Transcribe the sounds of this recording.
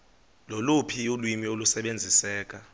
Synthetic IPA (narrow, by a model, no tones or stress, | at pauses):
lolupʰiulwimiolusɛɓend͡zʱisɛːk̬ʼa